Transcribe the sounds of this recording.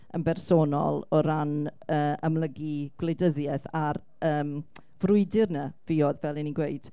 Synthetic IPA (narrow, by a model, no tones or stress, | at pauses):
ə̰mbɛrsoːnɔ̰lˠɔɾanəːʔəmlˠəɡiɡ̥wlejdəðjɛθar | əːm | vrʊɨdɪrnəviɔðvɛlˠiniɡwejd̥